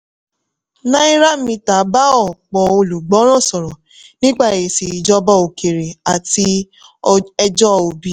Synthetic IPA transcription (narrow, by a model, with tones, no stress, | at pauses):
nã˦i˦ɾa˦mĩ˧ta˨˦ba˦ɔ˦˨k͡pɔ˨o˧lu˨ɡ͡bɔ˨˦ɾ̃ɔ̃˦˨sɔ˨ɾɔ˨ | nĩ˦k͡pa˦˨e˨je˨si˨i˨d͡ʒɔ˧bɔ˧o˨ke˨ɾe˨a˨ti˧ | ɛ˧d͡ʒɔ˦˧o˨bi˨˦